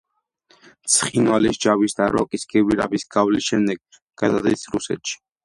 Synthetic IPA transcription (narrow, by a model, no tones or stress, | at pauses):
t̪sʰχinwalisd͡ʒavisd̪aɾɔ̰kʼisɡɛviɾa̰bisɡavlisʃɛmd̪ɛɡ | ɡ̥ad̪ad̪isɾusɛ̰t̪ʃi̥